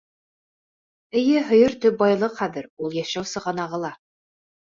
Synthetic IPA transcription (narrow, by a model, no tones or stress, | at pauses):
ɘ̆jɘɦŏjɤ̆ɾt̪ɵp̚bɑjlˠɤqχæðɘɾulˠjæʃæwsɤ̆ʁɑnɑʁɤ̆lˠɑ